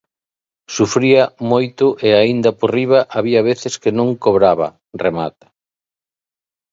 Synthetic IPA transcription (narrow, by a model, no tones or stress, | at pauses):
sufɾiɐmojt̪ʊʔeaind̪ɐporiβ̞ɐʔaβiɐβ̞eθɪskɪnõŋkoβɾaβɐ̰ | remat̪ḁ